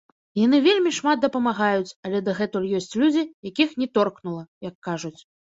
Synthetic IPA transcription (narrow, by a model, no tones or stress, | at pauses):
janɨvʲelʲmʲiʂmat̪̚d̪ɐpɐmaɣajut͡sʲɐlʲɛd̪ɐɣɛt̪ulʲjɔsʲt͡sʲlʲud͡zʲijakʲixnʲɛt̪ɔrknulˠɐjɐkːaʐut͡sʲ